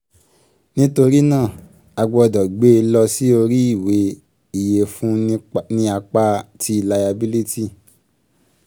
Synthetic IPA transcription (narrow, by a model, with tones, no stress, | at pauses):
nĩ˦to˧ɾi˦nãː˦˨ | a˧ɡ͡bɔ˧ɔ˧dɔ˨ɡ͡be˦˧lɔ˧si˦o˧ɾi˦i˦˨we˨˧ | i˨je˨fũ˦nĩ˧a˧k͡pa˦tʰi˧˨la˧ja˧bi˦li˦ti˦˨